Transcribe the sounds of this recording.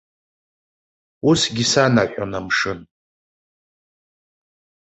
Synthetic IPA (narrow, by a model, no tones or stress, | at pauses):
usɡʲisanaʔʷʼanamʂɨn